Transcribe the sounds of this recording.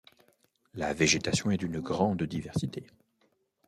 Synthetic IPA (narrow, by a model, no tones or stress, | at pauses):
la̰veʒet̪asjɔ̃ɛd̪ynɡʁɑ̃d̪d̪ivɛʁsit̪e